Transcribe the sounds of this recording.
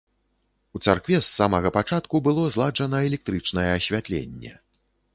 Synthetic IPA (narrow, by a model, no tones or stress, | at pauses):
ut̪sarkvʲɛsːamɐɣɐpat͡ʂat̪kubɨlˠɔzlˠad͡ʐɐnɐɛlʲɛk̚t̪ɾɨt͡ʂnɐjɛːsʲvʲat̪lʲḛnʲːɛ̰